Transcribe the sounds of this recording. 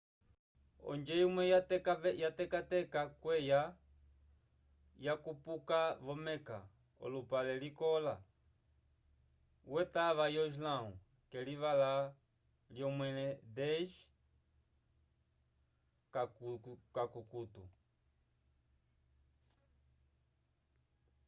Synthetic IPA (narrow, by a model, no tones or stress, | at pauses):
ɔ̰nd͡ʒɛjumwɛkajatɛkatɛkakwɛja | jakupukaβɔmɛka̰ | ɔ̰lupalɛlikɔla | wɛtaβajɔʒlau | kɛliβala | ljɔmwɛlɛd̪ɛʒ | kakkakukutṵ